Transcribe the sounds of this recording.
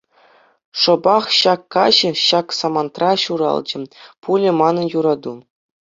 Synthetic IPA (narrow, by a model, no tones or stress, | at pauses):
ʂɤ̆bɑχɕɑkːɑʑɘ̆ɕɑksɑmɑnt̪rɑɕuɾɑ̰lˠd͡ʑɘ̆pulʲɘ̆mɑnɤ̆njuɾɑd̪u